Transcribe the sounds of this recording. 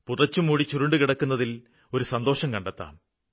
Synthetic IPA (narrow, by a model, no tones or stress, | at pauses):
purɐt͡ɕːumuːɽit͡ɕuɾuɳɖɨkiɽɐkːunːɐðil | o̞ɾusɐnd̪o̞ːʂɐmkɐɳɖɐt̪ːa̰ːm